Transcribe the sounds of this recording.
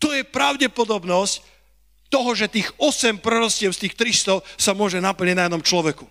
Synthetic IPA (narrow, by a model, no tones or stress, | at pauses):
t̪ɔjɛpɾaʊɟɛpɔd̪ɔbnɔsc | t̪ɔɦɔʒɛt̪iːɣɔsɛmpɾɛɾɔscɪɛʊst̪iːxt̪ɾist̪ɔsamʊɔʒɛnapl̩ɲiɟnajɛd̪ɔmt͡ʃlɔʋɛku